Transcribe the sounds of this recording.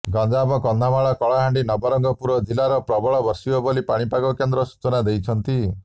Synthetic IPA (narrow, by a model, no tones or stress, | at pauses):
ɡɔnd͡ʒabɔkɔnd̪ʱamaɭɔkɔɭaɦaɳɖinɔbɔɾɔŋɡɔpuɾɔd͡ʒilaɾɔpɾɔbɔɭɔbɔɾsibɔbɔlipaɽ̃ipaɡɔkend̪ɾɔsu̥t͡ʃɔnad̪ejt͡ʃʰɔnt̪i